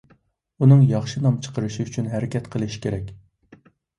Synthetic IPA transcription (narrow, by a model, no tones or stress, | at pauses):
unɨŋjɑχʃinɑmt͡ʃʰə̥qʰəɾɨʃiyt͡ʃʰynɦæɾɪkʲɛt̪qʰəlˠɨʃkʲʰeɾɛkʲ